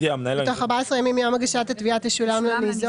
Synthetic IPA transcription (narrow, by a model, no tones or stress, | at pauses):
iamnatoχaʁbaesʁejamimiamaɡaʃat̪at̪viateʃulamlemizo